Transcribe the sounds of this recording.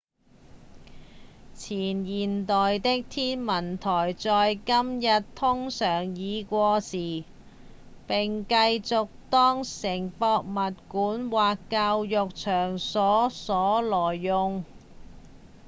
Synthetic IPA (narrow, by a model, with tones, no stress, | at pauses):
t͡sʰiː˨˩njiː˨˩nt̪ɔː˨jt̪ɪ˥k̚t̪ʰiː˥nmɐ˨˩nt̪ʰɔː˨˩jt͡sɔː˨jkɐ˥mjɐ˨t̚t̪ʰʊ˥ŋsœː˨˩ŋjiː˨˧kʷɔː˧siː˨˩ | pɪ˨ŋkɐ˧jt͡sʊ˨k̚t̪ɔː˥ŋsɪ˨˩ŋpɔː˧k̚mɐ˨t̚kuː˨˥nwaː˨kːaː˧wjʊ˨k̚t͡ʃʰœː˨˩ŋsɔː˨˥sɔː˨˥lɔː˨˩jːʊ˨ŋ